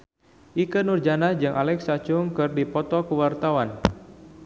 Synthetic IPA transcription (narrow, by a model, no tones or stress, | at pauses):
ʔikənurd͡ʒanad͡ʒɨŋʔalɛksat͡ʃʊŋkɨrdipɔt̪ɔkəwart̪awan